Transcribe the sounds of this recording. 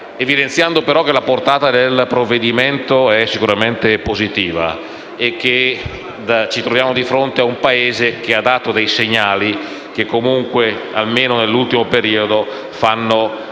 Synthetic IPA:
evid̪ent̪sjand̪opeɾɔk̟ːelaport̪aːt̪ad̪elpɾovːed̪iment̪oɛsːikuɾament̪epozit̪iːva̰ | ek̟ːe | d̪at͡ʃit̪ɾovjaːmod̪ifɾont̪eaumpaeːzek̟ead̪aːt̪od̪ejseɲːaːli | k̟ekːomuŋkwea̰lmeːnonelːult̪imopeɾiːod̪o | fanːo

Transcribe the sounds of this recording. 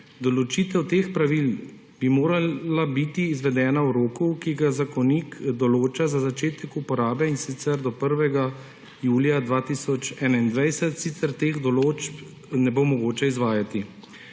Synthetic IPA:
d̪ɔlɔt͡ʃiːt̪ɛwt̪eːxpɾaʋil | b̥imoːɾalabit̪iːzʋɛd̪ɛːnawɾoːkukiɡazakɔnikd̪ɔloːt͡ʃazazat͡ʃeːt̪ɛkupɔɾaːbɛinsit̪sɛɾd̪ɔpəɾʋɛɡa | juːljad̪ʋaːt̪isɔt͡ʃɛːnaind̪ʋɛjsɛt̪sit̪sɛɾt̪eːxd̪ɔloːt͡ʃp | nɛbomɔɡoːt͡ʃɛizʋaːjat̪i

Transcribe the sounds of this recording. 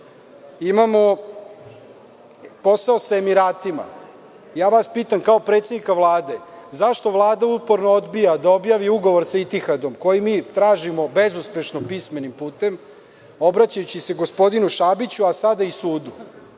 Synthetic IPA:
imamo̞ | po̞saosaemiɾaːt̪ima̰ | jaːʋaspiːt̪amkao̞pɾet̪sed̪nikaʋlˠaːd̪ezaʃt̪o̞ʋlˠaːd̪aupo̞ɾnood̪bijad̪ao̞bjaʋiuɡo̞ʋo̞ɾsait̪ixad̪o̞mko̞jimiːt̪ɾaːʒimo̞be̞zuspe̞ʃnopisme̞nimpuːt̪e̞m | o̞bɾat͡ɕajut͡ɕise̞ɡospo̞d̪inuʃabit͡ɕuasad̪aisuːd̪u

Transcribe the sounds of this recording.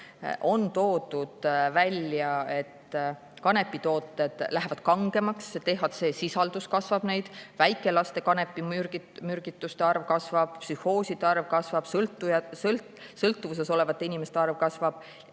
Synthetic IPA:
ʔo̞nt̪o̞ːd̪ud̪̥vælʲjɑe̞t̪ː | kɑne̞pːˑit̪o̞ːt̪ːˑe̞d̪̥læɦevɑd̪̥kɑŋɡ̥e̞mɑkst̪e̞ɦvɑd̪̥se̞ːsisɑld̪̥uskɑsvɑb̥ne̞jd̪̥væjkːˑe̞lɑst̪e̞kɑne̞pːˑiyimyrɡ̥it̪ːˑust̪e̞ɑrvkɑsvɑb̥̚psyho̞ːsid̪eɑrvkɑsvɑb̥slt̪ːˑuɑl | sɤlt̪ːˑuvus̬e̞so̞le̞vɑt̪ːˑeinimest̪eɑrvkɑsvɑb̥

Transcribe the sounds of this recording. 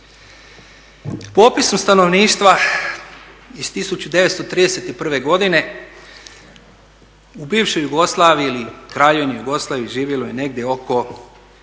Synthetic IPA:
poːpisomst̪ano̞ʋniːʃt̪ʋa | ist̪isut͡ɕud̪e̞ʋet̪st̪ot̪ɾiːd̪e̞set̪ipr̩ʋe̞ɡo̞d̪ine̞ | ubiːʋʃojuɡo̞slˠaːʋiilikɾajonojuɡo̞slˠaːʋiʒiːʋjelojene̞ɡd̪ʲje̞o̞ko̞

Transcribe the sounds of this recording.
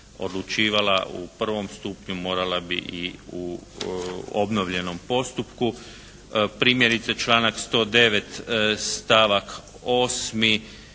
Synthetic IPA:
o̞̰d̪lut͡ʃiːʋala̰ʔṵpr̩ʋo̞mst̪uːpɲumo̞ːɾalabḭʔiu | obno̞ʋʎe̞no̞mpo̞st̪upku | pɾiːmjeɾit̪sat͡ʃlˠaːnakst̪o̞ːd̪e̞ʋe̞t̪st̪aʋak | o̞ːsmi

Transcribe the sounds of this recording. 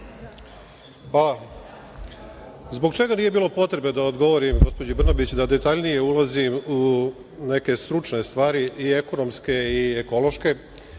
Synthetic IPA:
pa | zbo̞ɡt͡ʃe̞ɡaniːje̞biːlˠo̞po̞t̪ɾe̞be̞d̪aod̪ɡo̞ʋo̞ɾimɡo̞spo̞d͡ʑubr̩nabit͡ɕd̪ad̪e̞t̪aʎnije̞ulˠazimu | ne̞ke̞st̪ɾut͡ʃne̞st̪ʋaːɾiie̞ko̞no̞mske̞ieko̞lˠo̞ʃke̞

